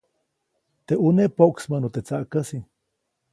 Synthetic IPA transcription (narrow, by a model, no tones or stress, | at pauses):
t̪eʔuneʔpoʔksmənot̪et͡saʔkəsi